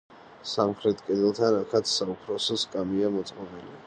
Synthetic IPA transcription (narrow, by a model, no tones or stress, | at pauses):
samχɾɛt̪ʰkʼɛd̪ɛlˠt̪ʰanakʰat̪saupʰɾɔsɛskʼamiamɔt̪sʼqʼɔbɛli